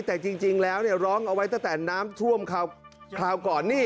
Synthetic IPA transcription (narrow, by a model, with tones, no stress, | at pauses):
t̪ɛː˨˩t͡ɕi˧ŋt͡ɕi˧ŋlɛː˦˥wni˥˩əɾɔː˦˥ŋʔa˧wa˦˥j̪a˥˩ŋt̪ɛː˨˩naː˦˥mt̪ʰu˥˩əmkʰaː˧wkʰlaː˧wkɔː˨˩nːiː˥˩